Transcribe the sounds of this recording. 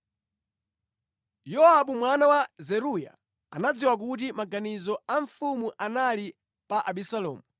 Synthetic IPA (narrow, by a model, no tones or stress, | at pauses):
jɔaɓumwanawazɛɾuja̰ | a̰nad͡ziwak̬utimaɡanizɔaɱfumuʔanali | paʔaɓisalɔ̰ːmu